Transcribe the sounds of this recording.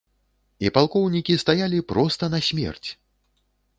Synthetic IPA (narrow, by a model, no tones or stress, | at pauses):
ipalˠkɔwnʲikʲist̪ajalʲipɾɔst̪ɐnɐsʲmʲɛ̰rt͡sʲ